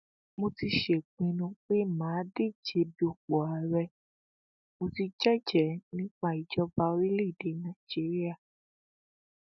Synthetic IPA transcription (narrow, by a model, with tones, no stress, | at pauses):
mo˧ti˧ʃe˨k͡pĩ˧nũ˧k͡pe˦˨mãː˨˦de˦˨d͡ʒe˨˦bi˦o˨k͡pɔ˨a˨ɾɛ˧ | mo˧ti˧d͡ʒɛ˦d͡ʒɛ˨˦nĩ˦k͡pa˦˨i˨d͡ʒɔ˨˦ba˧˦o˧˦ɾi˦le˦i˨de˨˦nã˦˨d͡ʒi˨˦ɾi˦a˦˨